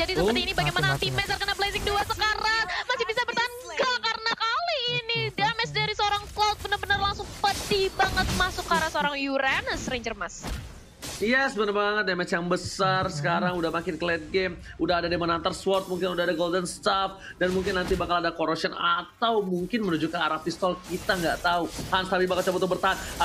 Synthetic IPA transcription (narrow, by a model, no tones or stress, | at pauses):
d͡ʒadisəpəiinibaɡajmanat̪imɛsarkənablesɪŋduasəkaɾaŋmasihbisabərt̪aanɡakarnakaliːnidiamɛsdaɾisəoɾaŋklat̪̚bənərbənərlaŋsʊŋpədibaŋət̪̚masʊkːaɾasəoɾaŋjuɾanəsɾeɲd͡ʒərmas | jɛsbənərbaŋət̪̚damɛt͡ʃjaŋbəsarsə̥kaɾaŋudahmakɪnkəlɛt̪̚ɡɛmudahadademanant̪arswɔrt̪̚muŋkɪnudaɦadaɡoldənst̪af | danmuŋkɪnːant̪ibakaladakoɾɔsiɔnat̪awmuŋkɪnmənud͡ʒukanaɾapist̪ɔlkit̪aŋɡaʔt̪auhanst̪apibakalt͡ʃɔpɔt̪ʊbərt̪aɦan